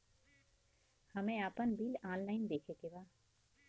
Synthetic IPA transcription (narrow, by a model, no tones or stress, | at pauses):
həmẽaːpənbilaːlnaːɪnd̪eːkʰekebaː